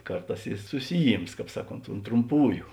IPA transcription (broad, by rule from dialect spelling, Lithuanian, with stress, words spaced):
ˈkɐrˌtɑːs ɪ ˈsʊsʲɪˈjiːms ˈkɑːp ˈsɑːˌkoːnt ʊnt trʊmˈpuːjʊ